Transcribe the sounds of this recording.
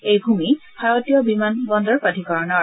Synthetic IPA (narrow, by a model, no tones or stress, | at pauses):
ejbʱumi | bʱaɹotijɔbimanbɔndɔɹpadʱikɔɹɔnɔɹ